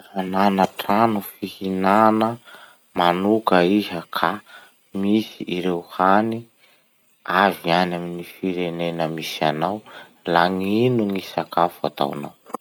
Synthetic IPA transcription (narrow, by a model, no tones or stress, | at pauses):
hananəʈ͡ʂanufihinanə | manukəiɦakʰa | misiʔːɾewhani | avianaminifiɾenenəmisianaw | laŋinuŋisakafua̰t̪a̰wana̰w